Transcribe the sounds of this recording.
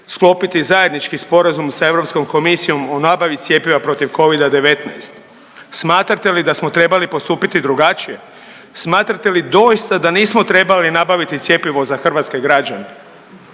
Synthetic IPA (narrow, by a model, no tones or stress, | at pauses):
sklo̞ːpit̪izaje̞d̪nit͡ʃkispo̞ɾazumsae̞ʋɾo̞psko̞mko̞misio̞mo̞naːbaʋit̪sʲje̞piʋapɾo̞t̪iʋko̞ʋid̪ad̪e̞ʋe̞t̪na̰jst̪ | smaːt̪ɾat̪e̞lid̪asmot̪ɾe̞balipo̞st̪uːpit̪id̪ɾuɡat͡ʃije̞ | smaːt̪ɾat̪e̞lid̪o̞jist̪ad̪aniːsmot̪ɾe̞balinabaʋit̪it̪sje̞piʋo̞zaxr̩ʋaːt̪ske̞ɡɾad͡ʒane